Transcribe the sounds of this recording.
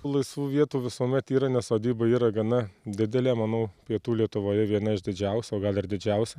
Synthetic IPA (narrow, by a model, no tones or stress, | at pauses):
t̪uːlˠɐɪsʋuːʋʲiɛt̪uːʋʲɪsuɔmʲɛt̪iːɾɐnʲɛssoːd̪ʲiːbɐiːɾɐɡɐnɐd̪ʲɪd̪ʲɛlʲeːmɐnɐʊpʲiɛt̪uːlʲiɛt̪ʊʋoːjɛʋʲiɛnɐɪʒd̪ʲɪd͡ʒʲɛʊsʲɛoːɡɐlˠɪɾd̪ʲɪd͡ʒʲɛʊsʲɛ